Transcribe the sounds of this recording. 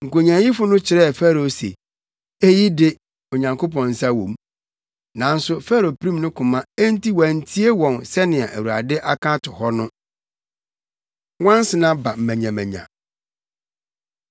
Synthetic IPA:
ŋ̩˨ko˨ɲã˨˦ji˦fʊ˦nʊ̃˦t͡ɕʰɪ˨ɾɛ˦˨fɛ˦ɾo˨sḛ˨ | e˦ji˦dɪ˦ | o˨ɲã˨ŋkʰo˦p̬ɔ̃˨n̩˨sa˦wõ̰˨m | nã˨n̩˦sʊ˦fɛ˦ɾo˨pɾĩ˦mnʊ̃˦kʰʊ̃˨mã˦e˦n̩˦ti˦wæ˨n̩˦tʰi˦e˦wɔ̃˨nsɛ˦nɪ̃˨a˨ʔæ˨wu˨ɾa̰˨dɪ˦ʔa˦kʰã˦tʰʊ˨hɔ˦nʊ̃˦ | wã˦n˦sɪ˨nã˦ba˨m̩˨mæ̃˨ɲã˨mæ̃˨ɲã̰˨

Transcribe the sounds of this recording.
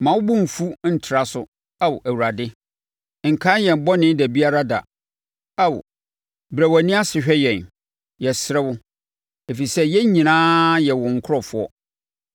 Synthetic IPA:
mã˨wʊ˦bʊ̃˦m̩˨fu˦n̩˨tʰɪ˨ɾa˦sʊ˨ | a˦wʔæ˨wu˨ɾa˨dɪ˦ | ŋ̩˨kʰã˦jɛ̃˨m˨bɔ˦nɪ̃˦dæ˨bi˦a˦ɾa˦da̰˨ | a˦wʊ̰˨ | bɾæ˨wæ˨nĩ˦a˦sɪ˨ɕᶣɛ˦jɛ̃˨n | jɛ˨sɪ˦ɾɛ˦wʊ˦ | e˨fi˨sɛ˦jɛ˦ɲĩ˨nãː˦jɛ˨wʊ̃˨ŋ̩˨kʰʊ˦ɾɔ˦fʊ˦ɔ˦

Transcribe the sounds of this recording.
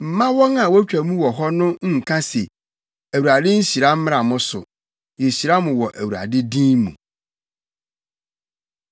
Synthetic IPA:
m̩˨mã˦wɔ̃˦ŋã˨wɔ˦t͡ɕᶣæ˨mũ˦wɔ˨ɦɔ˦nʊ̃˦ŋ̩˦˨kʰã˦se˨ | æ˨wu˨ɾa˨dɪ̃˦n̩˦ɕi˨ɾa˦m̩˦mɪ̃˦ã˨mʊ̃˦sʊ̰˨ | je˨ɕi˨ɾa˦mʊ̃˨wɔ˨ʔæ˨wu˨ɾa̰˨dɪ˦dĩ˦nmṵ̃˨

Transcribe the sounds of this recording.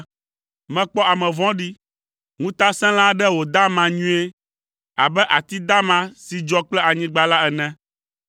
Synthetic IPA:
mɛ̃˨k͡pɔ˦a˨mɛ̃˨vɔ̃˦ɖi˦ | ŋũ˦t̪a˦sɛ̃˦l̃ã˦ɖɛ˦wo˨d̪a˦mã˨ɲũ˦e˦ | a̰˨bɛ˦ʔa˨t̪i˦d̪a˦mã˨si˨d͡ʒɔ˦k͡plɛ˦a˨ɲĩ˦ɡ͡ba˦la˦ɛ˨nɛ̃˦

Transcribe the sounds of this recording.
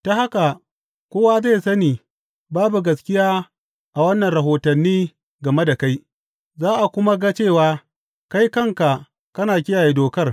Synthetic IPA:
ta˦ha˦ka˨ | kʷoː˦wa˦za˦˨jsɐ˦niː˨ | baː˦bu˨ɡɐ˨skʲɪ˦jaː˦ | ʔa˨wɐ˦nːɐ˨nɾɐ˨ɦoː˨tɐ˨nːiː˦ | ɡɐ˨me˦da˨ka˦j | zaː˦ʔa˨kʷʊ˦ma˦ɡa˦t͡ʃeː˦˨waː˦ | ka˦jkɐ˦ŋka˨ | kɐ˦naː˨kʲɪ˦jaː˨jeː˦doː˨kɐ˦r

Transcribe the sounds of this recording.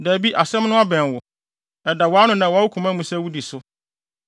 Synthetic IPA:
dæ˨bi˦ʔa˨sɛ̃˦mnʊ̃˦a˦bɛ̃˨n˨wʊ˨ | ɛ˨da˨wɔ˨˦a˦nʊ̃˦nã˨wa˦wu˦kʰũ˨mã˦mũ˨sɛ˦wu˦di˨sʊ˦

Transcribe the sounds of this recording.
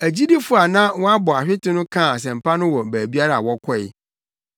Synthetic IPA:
æ˨d͡ʑi˦di˦fʊ˦a˨nã˦wɔ˦a˦bɔ˨a˨ɕᶣɪ˦tʰɪ˦nʊ̃˦kʰã˦˨s̬ɛ̃˨m̩˨pʰa˦nʊ̃˦wɔ˨bæː˨bi˦a˦ɾa˦a̰˨wɔ˦kʰɔ˦˨ɪ̰˨

